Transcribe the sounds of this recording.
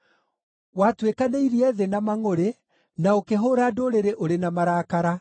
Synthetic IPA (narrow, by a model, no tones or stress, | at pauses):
watwekaneiɾiɛðenamaŋoɾe | naokeɦoɾadoːɾeɾeʔoɾenamaɾaːkaɾa